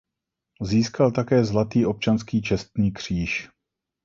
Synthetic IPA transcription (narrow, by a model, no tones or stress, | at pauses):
ziːskalt̪akɛːzlat̪iːʔo̞p̚t͡ʃanskiːt͡ʃɛst̪̚ɲiːkr̝̥iːʃ